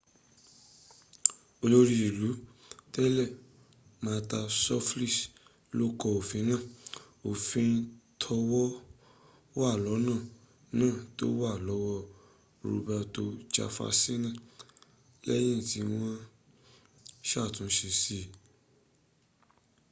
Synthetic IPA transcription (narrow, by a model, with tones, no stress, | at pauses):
o˧lo˦ɾi˧i˨lu˨˦tɛ˦lɛ˦˨ | mã˨˧˦ta˧sɔ˦fli˦˨s | lo˦kɔ˧o˨fĩ˨˦nã˦˨ | o˨fĩ˧n̩˧tʰɔ˧wɔ˦ | wa˦˨lɔ˨˦nãː˦˨ | nãː˦˨to̰˦wa˦˨lɔ˨˦wɔ˧ | ɾo̰˧bɛ˧to˧t͡ʃa̰˧fa̰˧si˦nã˦˨ | lɛ̰˦j̃ĩ˦˨ti˧˦w̃ɔ̃˦ | ʃa˦˨tũ˨˦ʃi˧si˦˨